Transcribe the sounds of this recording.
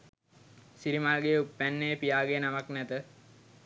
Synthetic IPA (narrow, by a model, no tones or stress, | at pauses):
siɾimalɡeupːænːejpijaːɡenamaknæt̪ə